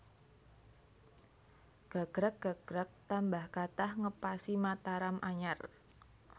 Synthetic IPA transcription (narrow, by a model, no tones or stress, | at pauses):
ɡ̥a̤ɡ̥ɾək̚ɡ̥aɡ̥ɾək̚t̪ambahkat̪ahŋəpasimat̪aɾamʔaɲar